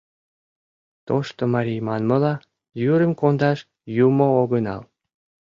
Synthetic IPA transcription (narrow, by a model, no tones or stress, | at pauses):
t̪oʃt̪omɑɾʲijmɑnməlɑ | juɾəmkond̪ɑʃ | jumooɣənɑ̰l